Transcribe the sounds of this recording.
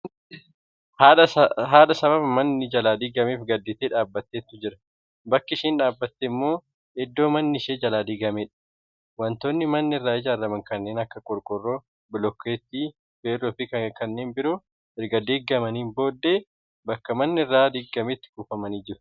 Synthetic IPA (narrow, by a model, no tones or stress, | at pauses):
haːᶑɐɦaːᶑɐsɐβɐbmɐnːɪd͡ʒɐlaːd̪ɪɡɐmeːfɡɐd̪ːɪt̪eːᶑaːbːɐt̪ːeːt̪ːʊd͡ʒɪɾɐ | bɐkːɪʃiːnᶑaːbːɐt̪ːemːo̞ː | ɛd̪ːo̞ːmɐnːɪʃeːd͡ʒɐlaːd̪iɡɐmeːᶑɐ̥ | wɐnt̪oːnːɪmɐnːɪɪrːaːɪd͡ʒaːɾːɐmɐŋkɐnːe̞ːnɐkːɐkʼɔɾkʼɔrːoː | bɪlɔkːeːt̪ːiː | feːrɔfikɐkɐnːeːnbɪɾoː | bɪɾɡɐd̪eːɡːɐmɐniːmbo̞ːd̪ːeː | bɐkːɐmɐnːɪɪrːaːd̪ɪɡːɐmet̪ːɪ̥kuːfɐmɐniːd͡ʒɪɾʊ̥